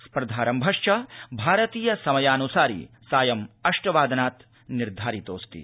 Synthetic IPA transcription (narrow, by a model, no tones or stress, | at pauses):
spɾɐd̪ʱaːɾɐmbʱɐʂt͡ʃɐbʱaːɾɐt̪iːjɐsɐmɐjaːnusaːɾḭ | saːjɐmɐʂʈɐʋaːd̪ɐnaːt̪ | niɾd̪ʱaːɾit̪o̰ːst̪ḭ